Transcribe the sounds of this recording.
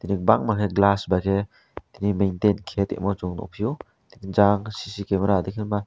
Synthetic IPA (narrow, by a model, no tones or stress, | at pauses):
t̪inik̚baŋmakʰeɡlasbajkʰe | t̪inimejnt̪enkʰet̪ḛʔmɔt͡ʃuŋnɔ̰pʰiju | t̪inid͡ʒaŋsisikemeɾad̪ekʰenma